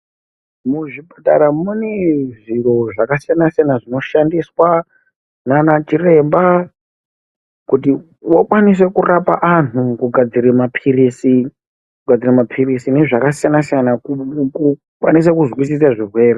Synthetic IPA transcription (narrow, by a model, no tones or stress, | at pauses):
muʐibʱata̰ɾamuneʐiro̞ʐakasijanasijanaʐino̞ʃandiswa | nanat͡ʃire̞mba | kuti | wokwanis̬e̞kurapa̰ʔanukuɡʱad͡ziɾemapʰiriːsi | kuɡʱad͡ziremapʰirisine̞ʐakasijanasijanauku | kwanis̬akuzwisis̬aʐirwe̞ːre